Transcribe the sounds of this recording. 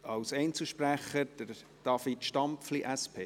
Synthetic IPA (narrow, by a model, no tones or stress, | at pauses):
ɑwsɛɪnt͡sl̩ʃpræχəɾd̥əɾ | d̥ɑfitʃtɑmpfliʔæspʰeː